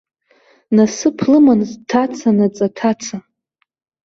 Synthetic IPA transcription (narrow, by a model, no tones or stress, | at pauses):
nasɨpʰlɨmantʰat͡sʰanat͡sʼatʰat͡sʰa